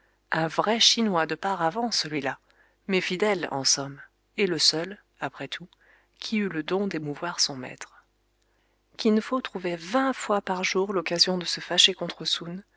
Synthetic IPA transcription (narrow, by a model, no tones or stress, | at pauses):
ɛ̃vʁɛʃinwad̪əpaʁavɑ̃səlɥila | mɛfid̪ɛlɑ̰̃sɔm | eləsœl | apχɛt̪ʰu | kʲʰiyləd̪ɔ̃d̪emuvwaʁsɔ̃mɛ̰t̪χ | kʲinfot̪χuvɛvɛ̃fwapaʁʒuʁlɔkazjɔ̃d̪əsəfaʃekɔ̃t̪χəsun